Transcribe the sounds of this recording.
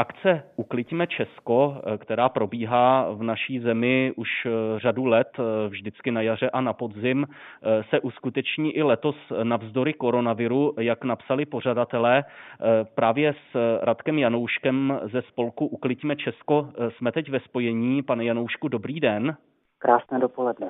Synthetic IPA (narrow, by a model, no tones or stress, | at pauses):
ʔakt͡sɛʔuklɪcmɛt͡ʃɛsko̞kt̪ɛɾaːpɾo̞biːɦaːvnaʃiːzɛmɪʔuʃr̝adulɛt̪vʒdɪt͡skɪnajar̝ɛʔanapo̞d̪zɪmsɛʔuskut̪ɛt͡ʃɲiːʔɪlɛt̪o̞snavzdo̞ɾɪko̞ɾo̞navɪɾujaknapsalɪpo̞radat̪ɛlɛː | pɾaːvjɛsɾʔat̪kɛmjano̞wʃkɛmzɛspo̞lkuʔuklɪcmɛt͡ʃɛsko̞smɛt̪ɛcvɛspo̞jɛɲiːpanɛjanowʃkudo̞bɾiːdɛn | kɾaːsnɛːdopolɛdnɛ